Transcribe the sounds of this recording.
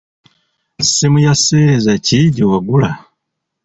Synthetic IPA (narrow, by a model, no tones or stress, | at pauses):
simujaseːɾezaciɟiwaɡula